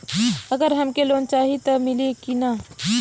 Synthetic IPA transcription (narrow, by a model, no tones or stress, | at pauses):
ɐɡəɾɦɐmkeloːnt͡ʃaːɦit̪omɪlikina